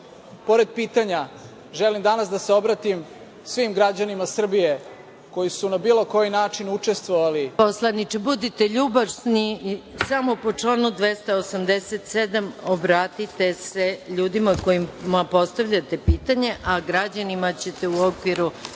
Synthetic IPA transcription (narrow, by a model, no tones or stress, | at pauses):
po̞ɾed̪̚piːt̪aɲa | ʒelimd̪anasd̪aseo̞bɾat̪im | sʋimɡɾad͡ʑanimasr̩bije | ko̞jisunabiːlˠo̞ko̞jinaːt͡ʃinut͡ʂest̪ʋoʋaliposlˠad̪nit͡ʃebud̪it̪e̞ʎuːbasnisamo̞po̞t͡ʂlaːnud̪ʋest̪aosamd̪eset̪sed̪amobɾaːt̪it̪e̞se̞ʎuːd̪imako̞jimmapo̞st̪aʋʎat̪e̞piːt̪aɲe̞ʔaɡɾad͡ʑanimat͡ɕe̞t̪e̞uokʋiɾu